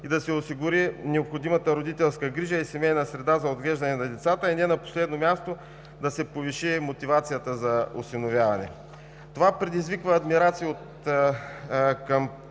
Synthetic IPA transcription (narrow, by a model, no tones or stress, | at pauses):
id̪ɐsɛosiɡʊɾinɛopxod̪imɐt̪əɾod̪it̪ɛlˠskəɡɾiʒəisɛmɛjnɐsɾɛd̪azɐod̪ɡlɛʒd̪ɐnɛnɐd̪ɛt̪sat̪əinɛnɐpo̥slɛd̪nomʲast̪o | d̪ɐsɛpoviʃimot̪ivat̪sijət̪əzɐosinovʲjavɐnɛ̰ | t̪ovapɾɛd̪izvikvəːd̪miɾat̪siiot̪ | kɐm